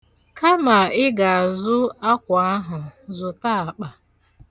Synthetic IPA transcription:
ka˦ma˨ɪ˦ɡa˨a˨zʊ˦a˦kʷa˦ɦʊ˨zʊ˨ta˦˨a˨k͡pa˨

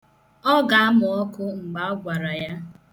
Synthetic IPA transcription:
ɔ˦ɡa˨a˦mʊ˨ɔ˦kʊ˦ŋ͡m̩˨ɡ͡ba˨ɔ˦ɡʷa˨ɾa˨ja˦

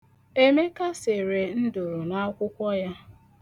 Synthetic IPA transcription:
e˦me˦ka˦se˨ɾe˨n̩˦do˨ɾʊ˨na˦kʷʊ˦kʷɔ˦ja˦

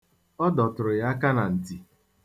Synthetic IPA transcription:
ɔ˦dɔ˨tʊ˨ɾʊ˨ja˦ka˦na˨n̩˨ti˨

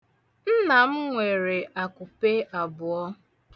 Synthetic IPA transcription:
n̩˦na˨m̩˦ŋʷe˨ɾe˨ʔa˨kʊ˨pe˦ʔa˨bʊ˨ɔ˦

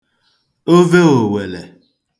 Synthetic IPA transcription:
o˦ve˦o˨we˨lḛ˨

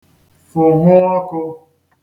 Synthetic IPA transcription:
fʊ˨ɦʊ˦ɔ˦kʊ˧

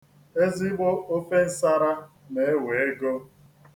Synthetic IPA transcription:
e˦zi˦bo˦o˦fe˦n̩˨˦sa˦ɾa˦ | ne˨e˦we˨e˦ɡo˦

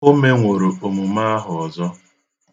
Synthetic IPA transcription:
o˦me˦ŋʷo˨ɾo˨o˨mu˨ma˦a˦ɦʊ˨ɔ˨zɔ˦

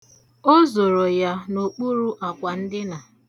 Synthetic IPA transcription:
o˦zo˨ɾo˨ja˦no˨k͡pu˦ɾu˦ʔa˨kʷa˨n̩˦dɪ˦na˨

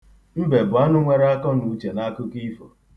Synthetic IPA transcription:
m̩˦be˨bʊ˨a˦nʊ˦ŋʷe˦ɾa˦kɔ˦nu˨˦t͡ʃe˨na˦kʊ˦ki˦fo˨

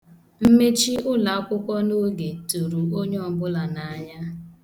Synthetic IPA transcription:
m̩˦me˦t͡ʃi˦ʊ˦la˨˦kʷʊ˦kʷɔ˦no˦ɡe˨tu˨ɾu˨o˦ɲe˦ɔ˦˨bʊ˦la˨na˨a˦ɲa˦

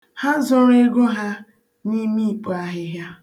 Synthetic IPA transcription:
ha˦zɔ˦ɾe˦ɡo˦ɦa˦ | ni˦mi˦i˨k͡po˨a˦ɦɪ˦ɦja˦

